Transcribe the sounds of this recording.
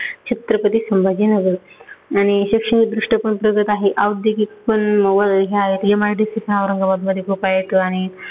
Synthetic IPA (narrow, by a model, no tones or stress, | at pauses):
t͡ɕʰet̪ɾəpət̪iːsəmbʱad͡ʑinəɡəɾañiɕikʂəɳid̪ɾuʂʈəpəɳpɾəɡət̪aɦeʔaʋəd̪ʱjəkikpəɳəʋəɦeaɦet̪jemaɾɖisipənaʋɾəŋɡaʋad̪məd̪ʱjekʰupajt̪oaɽ̃i